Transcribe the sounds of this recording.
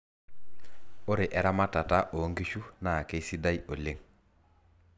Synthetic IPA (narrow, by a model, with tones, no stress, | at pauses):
o˦ɾe˨ʔɛ˨ɾa˦ma˦ta˨ta˦ʔo˨˦ŋɡi˦ʃu˦na˨ke˦si˦da˦jo˨le˦ŋ